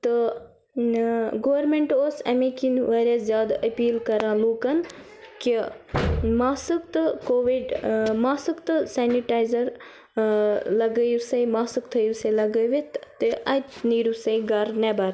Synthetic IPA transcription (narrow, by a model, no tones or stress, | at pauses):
t̪ɨ | ɡoːʋɐɾmeɳʈoːsɐ̰mẽːkinʋaɾɐszjaːd̪ɐpiːlkɐɾãːluːkɐn | ki | maːsɨkt̪ɨkoːʋiɖmaːsɨkt̪ɨsaːniʈaːjzɐɾ | lɐɡəjusɐjmaːsɨkt̪ʰɐjusɐlɐɡəʋet̪t̪ʔɐt̪niːɾusɐɡɐɾneːbaɾ